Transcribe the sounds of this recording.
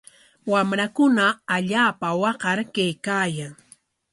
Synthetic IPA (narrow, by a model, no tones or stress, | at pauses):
wamɾakʊnaːʎaːpawɑqɑɾkajkaːjaŋ